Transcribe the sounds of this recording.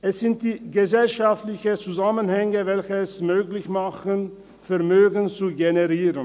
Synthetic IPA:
ʔɛsz̥ɪnt̚d̥iːɡəzɛlʃaftlɪçət͡suzamənhɛŋəvɛlçəɛsmøːklɪçmaχən | fɛɐmøːɡn̩t͡suɡenəʁiːʁən

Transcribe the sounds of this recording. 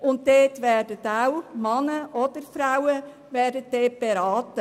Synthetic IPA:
ʊntdeːtʋɛɾdətawmɑnəʔɔd̥̪əɾfɾawə | ʋɛːɾdət̚deːb̥eɾɑːtə

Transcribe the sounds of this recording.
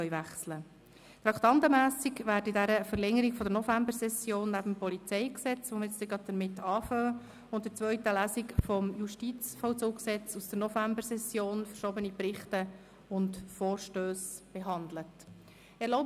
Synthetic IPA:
œʏvæχslə | t̪ɾɑkt̪ɑntəmæːsikʋæːɾdidæɾəfəɾlɛŋəɾikfɔd̪əɾnɔfæmbəɾsɛsjoːnːæbəm̩pɔlit͡sɛɪksɛt͡sonɪt͡st̪ɪɡɾɑd̚d̪əɾmɪtːɑːfœː | ʊntdət͡sʋœʏtəlæːsikfɔmjuʃtit͡sfɔwt͡soːksɛt͡susd̥əɾnɔfæmbəɾsɛsjoːnfəɾʃoːbənipɾɪχtə | ʊntfɔːɾʃtøːsb̥eɦɑnd̪lət | ɛɾlɔʊ

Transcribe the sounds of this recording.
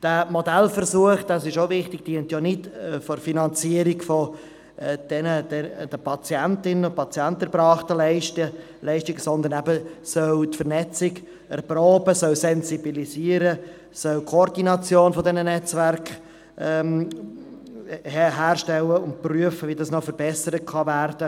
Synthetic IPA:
d̥æmɔdɛlfəɾsuəχd̥̪ɑsɪʃoʊvɪχtɪɡ̚d̥iənt̪jɔnɪtːfɔrfinɑnt͡siəɾiɡfɔ | d̥ɛnədɛd̥əpʰɑt͡sjɛntɪnəʊpʰɑt͡sjɛntəɾb̥ɾɑːχt̪əl | lɛɪʃtɪɡsɔnd̪əɾnæbəsœltfəɾnɛt͡sɪɡ | ɛrpɾoːbəsœlsɛnzibilisiəɾə | sœlkʰɔɾdinɑt͡sjoːnfɔdɛnənɛt͡sʋæɾk | ɛːm | hɦæːɾʃtɛləʊnt̚pryəfəvidɑsnɔfəɾbɛsəɾət̚kʰɑværd̥ə

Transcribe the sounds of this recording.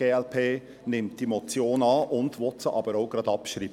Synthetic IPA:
eːɛlpʰeː | nɪmt̚d̥imɔt͡sjoːnɑːʔʊndʋɔtt͡səʔɑb̥əɾoʊɡɾɑdɑpʃɾiːb

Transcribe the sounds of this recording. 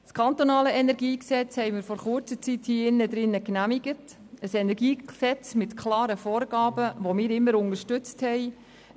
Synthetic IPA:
skʰɑnt̪onɑːləɛnɛɾɡiːksɛt͡shɛɪmɪːɾfɔɾχʊɾt͡sət͡sithiːɪnːəd̪ɾɪnːəknæmiɡət | əsɛnɛɾɡiːksɛt͡smɪtkʰlɑːɾəfoːɾɡ̥ɑːbəʋomɪːɾɪmːəɾʊnəɾʃtʏt͡sthɛɪ

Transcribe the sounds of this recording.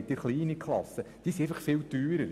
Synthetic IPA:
t̪ɪɾχliːnikχlɑ̰sːəd̥iːsieɪfəχfɪltyːɾəɾ

